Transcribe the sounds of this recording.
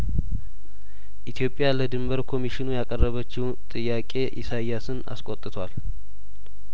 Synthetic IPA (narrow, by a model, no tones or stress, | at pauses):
ʔit̪ʰjo̞pʼːɪjaləd̪ɨmbəɾkʰo̞miʃɪnujakʼərːəβət͡ʃːɪw | t̪ʼɨjːakʼe̞ʔisajːasɨna̰skʼo̞t̪ʼɨt̪ʰwal